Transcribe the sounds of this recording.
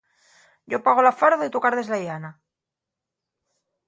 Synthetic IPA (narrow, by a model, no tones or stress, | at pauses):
ɟ͡ʝopaɣ̞olafaɾðoit̪ukaɾðe̞zlajana